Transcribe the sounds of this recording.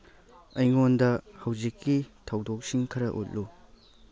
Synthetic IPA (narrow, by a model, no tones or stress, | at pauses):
ɐjŋondɐhɐwzikːitʰɐwdok̚siŋkʰɐɾɐʔo̰t̚lu